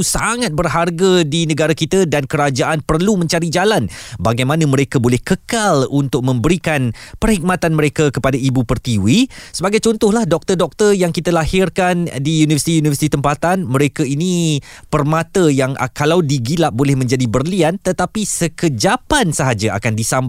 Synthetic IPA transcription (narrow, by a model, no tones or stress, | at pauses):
usaŋat̪̚bərɦarɡadinə̃ɡaɾakit̪ədankəɾad͡ʒaʔanpərlumə̃ɲt͡ʃaɾid͡ʒalanbaɡajmãnãməɾekabolɛhkəkalunt̪ʊk̚mə̃mbəɾikanpərhik̚mat̪anməɾekakəpadaibupərt̪iwisəbaɡajt͡ʃɔnt̪ʊhlahdɔk̚t̪ərdɔk̚t̪ərjaŋkit̪alahɪrkandijunivərsit̪ijunivərsit̪it̪əmpat̪anməɾekainĩ | pərmat̪əjaŋkalawdiɡilaʔ̚bolɛhmə̃ɲd͡ʒadibərliant̪ət̪apisəkəd͡ʒapansəɦad͡ʒaʔa̰kandisamb